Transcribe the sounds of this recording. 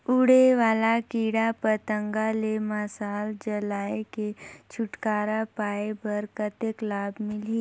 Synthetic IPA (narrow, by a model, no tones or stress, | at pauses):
ʊɽeʋaːlakiːɽapət̪ə̃ŋɡaleməsaːld͡ʒɐlaːeket͡ʃʰʊʈkaːɾapaːepɐɾkət̪eklaːbmɪli